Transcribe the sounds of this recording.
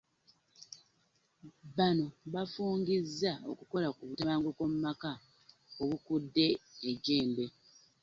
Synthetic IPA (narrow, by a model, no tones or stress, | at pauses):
βano̞βafuːŋɡizːao̞̰kuko̞lakuβutaβaːŋɡoko̞mumaka | oβukudːe̞ːɟe̞ːmbe̞